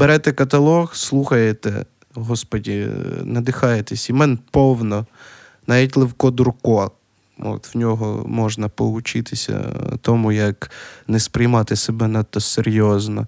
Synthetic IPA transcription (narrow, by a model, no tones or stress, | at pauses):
b̥eɾɛt̪ɛkɐt̪ɐlˠɔxslˠuxɐjet̪ɛ̰ | ɦɔspɔdʲinɐd̪ɪxɑjet̪esʲimɛnpɔwnɔ | nɑʋʲit̬ʲlˠɪwkɔd̪ʊɾkɔ | ɔ̰t̪wnʲɔɦɔ̰mɔʒnɐpɔʊt͡ʃɪt̪ɪsʲɐ̰t̪ɔmujɐknɛspɾɪjmɑt̪ɪsebɛnɐt̪ːɔseɾʲjɔznɔ̰